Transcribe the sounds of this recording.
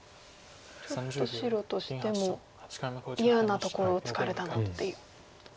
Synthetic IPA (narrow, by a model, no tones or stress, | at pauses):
t͡ɕo̞t̪ːo̞ɕiɾo̞t̪o̞ɕi̥t̪e̞mo̞ | ijanat̪o̞ko̞ɾo̞ːt͡sɨ̥kaɾe̞t̪anat̪ːe̞jɯ